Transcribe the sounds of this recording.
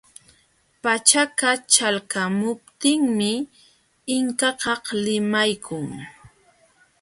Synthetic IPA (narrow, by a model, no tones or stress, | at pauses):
pat͡ʃakat͡ʃalkamʊp̚t̪ɪŋmɪ | ɪŋkɑkɑhlɪmajkʰʊŋ